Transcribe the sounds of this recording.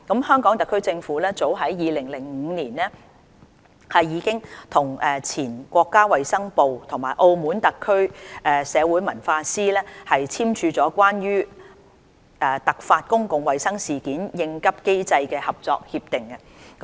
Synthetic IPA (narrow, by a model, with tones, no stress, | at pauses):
kɐ˨˥mhœː˥ŋkɔː˨˥ŋt̪ɐ˨kʰːɵ˥ɥt͡sɪ˧ŋfuː˨˥lɛː˥t͡so˨˥wɦɐ˨˥jjiː˨˧lɪ˨˩ŋlɪ˨˩ŋm̩ː˨˧niː˨˩nlɛː˥ | hɐ˨jːiː˨˧kɪ˥ŋt̪ʰʊ˨˩ŋʔɛː˨˩t͡sʰiː˨˩nkʷɔː˧kːaː˥wɐ˨jsɐ˥ŋpo˨wt̪ʰʊ˨˩ŋmaː˨˩jʔo˧wmuː˨˥nt̪ɐ˨kʰːɵ˥ɥɛː˨˧sɛː˨˧wuː˨˥jmɐ̰˨˩nfaː˧siː˥lɛː˥hɐ˨jt͡sʰiː˥mt͡ʃʰyː˧t͡sɔː˨˥kʷaː˥njyː˥ | ʔɛː˧t̪ɐ˨k̚faː˧t̚kʊ˥ŋkʊ˨ŋwɐ˨jsɐ˥ŋsiː˨kiː˨˥njɪ˧ŋkɐ˥p̚ke˥jt͡sɐ˧jkɛː˧hɐ˨p̚t͡sɔ̰ː˧k̚hiː˧p̚t̪ɪ˨ŋkɐ˧